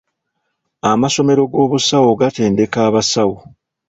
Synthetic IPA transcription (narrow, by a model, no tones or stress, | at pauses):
amaso̞me̞ɾo̞ɡo̞ːβusawoɡate̞ːnde̞kaːβasawo